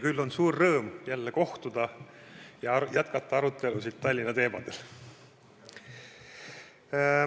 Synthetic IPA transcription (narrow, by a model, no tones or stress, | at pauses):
kylːo̞nsuːrːɤːmjælːeko̞ht̪ud̪̥ɑ | jɑjæt̪kɑt̪ːˑɑɑɾut̪ːˑe̞lusid̪̥̚t̪ɑlʲːinɑt̪e̞ːmɑ̰d̪̥el